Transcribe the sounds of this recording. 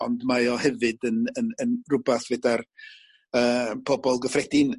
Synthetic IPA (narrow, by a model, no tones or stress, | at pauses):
ɔndmajɔhɛvɨdənənənrʊbaθvedar | əːpʰɔbɔlˠɡəfrɛdɪn